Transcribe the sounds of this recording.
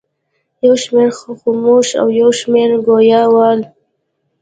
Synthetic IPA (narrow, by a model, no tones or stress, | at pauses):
jawʃmeɾxxomoʃa̰wjawʃmeɾɡojɑwɑl